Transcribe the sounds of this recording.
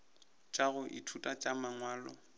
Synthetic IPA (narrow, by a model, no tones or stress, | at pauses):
t͡ʃʼaɣʊʔɪ̰tʰutʼat͡ʃʼamaŋwaːlɔ̰